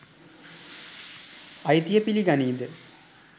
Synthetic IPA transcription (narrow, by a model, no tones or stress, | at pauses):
ɐjt̪ijɐpiliɡɐniːd̪ɨ